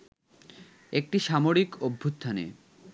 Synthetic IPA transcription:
ek̚ʈiʃamoɾikobʱːust̪ʰanḛ

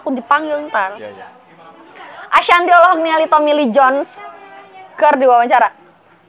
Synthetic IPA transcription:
kudipaŋɡɪlɲpal | ʔaʃant̪iɔlɔɦɔk̚nialit̪ɔmilid͡ʒɔns | kərdiwawaɲt͡ʃaɾa

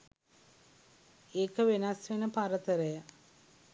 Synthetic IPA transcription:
eːkəʋenasʋenəpaɾət̪əɾəja

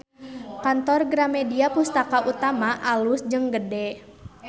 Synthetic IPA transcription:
kant̪ɔrɡɾamɛdiapust̪akaʔut̪amaʔalusd͡ʒəŋɡədɛ

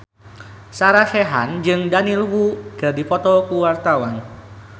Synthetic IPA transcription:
saɾaʃɛɦa̰nd͡ʒɨŋdanilwukɨrdipɔt̪ɔkuwart̪awan

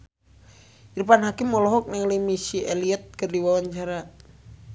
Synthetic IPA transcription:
idupanɦakimːɔlɔɦɔk̚naŋləmisiɛliət̪̚kərdiwawaɲt͡ʃaɾa

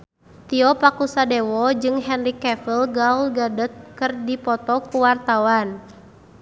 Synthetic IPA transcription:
t̪iɔpakusadewɔd͡ʒɨŋɦɛnrikɛfəlɡaulɡadət̪̚kɨrdipɔt̪ɔkuwart̪awan

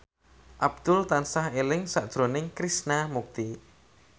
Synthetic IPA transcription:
ʔab̥̚d̪̥ʊlt̪ansaɦelɪŋsad̥ʒ̥ɾo̤nɪŋkɾisnamuk̚t̪i

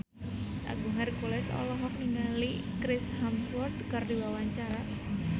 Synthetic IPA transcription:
ʔa̰ɡuŋarkolɛsɔ̰lɔɦɔk̚niŋali | kɾɪshamswɔrdkərdiwawaɲt͡ʃaɾa

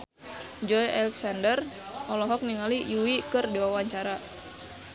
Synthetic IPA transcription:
d͡ʒɔjɛlɛksandər | ʔɔlɔɦɔk̚niŋalijuwikɨrdiwawaɲt͡ʃaɾa

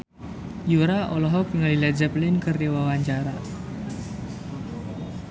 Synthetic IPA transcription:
juɾaʔɔlɔɦɔk̚ŋəlilad͡ʒaplɪnkərdiwawaɲt͡ʃaɾa̰

